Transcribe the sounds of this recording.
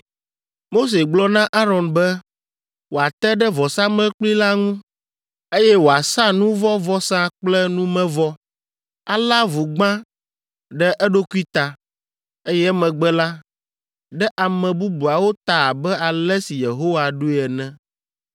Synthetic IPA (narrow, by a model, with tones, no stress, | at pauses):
mo˦s̬e˨ɡ͡blɔ˦nã˦ʔa˦ɾɔ˨nbɛ˦ | wo˨a˨t̪ɛ˦ɖɛ˦vɔ˨sã˦mɛ̃˦k͡pli˦la˦ŋũ˦ | e˦jɛ˦wo˨a˨sa˦nũ˦vɔ˦vɔ˦sã˦k͡plɛ˦nũ˦mɛ̃˦vɔ˦ | a˦la˦vu˨ɡ͡bã˦ | ɖɛ˦ʔɛ˦ɖo˦ku˦i˦t̪a˨ | e˦jɛ˦mɛ̃˨ɡ͡bɛ˦la˦ | ɖɛ˦ʔa˨mɛ̃˨bu˦bu˨a˨wo˦t̪a˨a˨bɛ˦a˨lɛ˦si˨je˨ɦo˦wa˨ɖu˦˨ɛ˨nɛ̃˦